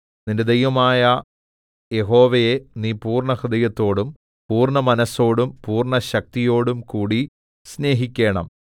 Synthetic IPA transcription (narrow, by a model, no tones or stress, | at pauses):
ninde̞d̪ɐjʋɐmaːjɐ | je̞ɦo̞ːʋejeniːpuːrɳɐhrid̪ɐjɐt̪ːo̞ːɽum | puːrɳɐmɐnɐso̞ːɽumpuːrɳɐɕɐk̚t̪ijo̞ːɽumkuːɽi | sne̞ːɦikʲːe̞ːɳɐ̰m